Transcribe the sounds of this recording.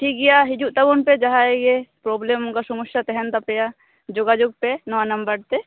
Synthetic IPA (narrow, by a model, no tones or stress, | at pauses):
ʈʰiːk̚ɡijaɦɪd͡ʒuʔt̪ɐbonped͡ʒɐɦãeɡepɾoːblemʊnkasumʊʃjat̪ɛɦɛnt̪ɐpeja | d͡ʒoɡad͡ʒoɡ̚penɔʋanɐmbəɾt̪e